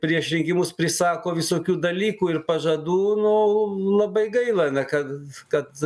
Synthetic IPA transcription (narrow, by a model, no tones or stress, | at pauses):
pʲɾʲiɛʃʲɾʲɪŋʲkʲɪmʊspʲɾʲɪsɑːkoːʋʲɪsoːkʲuːd̪ɐlʲiːkuːɪrpɐʒɐd̪uːnʊlˠɐbɐɪɡɐɪlˠɐnʲɛkɐtkɐt̪